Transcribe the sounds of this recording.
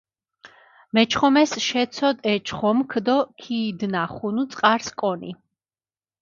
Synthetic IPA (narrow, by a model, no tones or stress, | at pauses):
mɛt͡ʃʰχɔmɛsʃɛt̪sʰɔd̪ɛt͡ʃʰχɔmkʰd̪ɔkʰiːd̪naχunut̪sʼqʼaɾskʼɔnḭ